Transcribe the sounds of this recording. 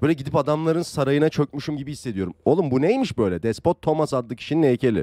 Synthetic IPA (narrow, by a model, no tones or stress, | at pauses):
bøːlʲɛɟid̪ipad̪amlˠaɾɯnsaɾajɯnat͡ʃʰø̞cmyʃumɟibihisːed̪ijo̞ɾumo̞lˠumbunejmiʃbø̞jlʲɛd̪ɛspo̞t̪ʰːo̞masad̪lːɯkʰi̥ʃininelʲcʰe̞lʲiɪ̰